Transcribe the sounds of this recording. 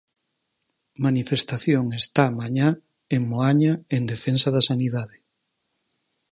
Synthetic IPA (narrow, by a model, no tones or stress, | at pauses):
manifest̪aθjoŋest̪amaɲa | eŋmoaɲaend̪efensaðasaniðaðɪ